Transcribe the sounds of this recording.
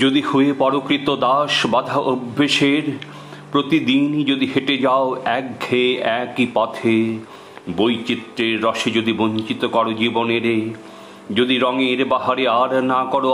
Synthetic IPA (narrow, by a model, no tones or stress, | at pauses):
d͡ʑod̪ihoepɔɾokɾit̪od̪aʃbad̪ʱaʔobʱːeʃeɾ | pɾot̪id̪ind͡ʑod̪iɦeʈed͡ʑaoɛk̚ɡʱeɛkipat̪ʰe | bojt͡ɕit̪ːɾeɾːɔʃed͡ʑod̪iboɲt͡ɕit̪okɔɾod͡ʑiboneɾe | d͡ʑod̪iɾɔŋeɾbaɦaɾeaɾnakɔɾo